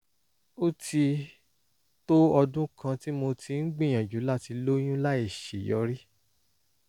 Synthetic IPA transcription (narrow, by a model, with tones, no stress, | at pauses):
o˦ti˧ | to˦ɔ˧dũ˦kʰã˧ti˦mo˧tʰi˧ŋ̩˦ɡ͡bĩ˦˨j̃ã˨d͡ʒu˨˦la˦˨ti˧lo˦j̃ũ˦la˦e˦˨ʃe˨jɔ˨˧˦ɾi˦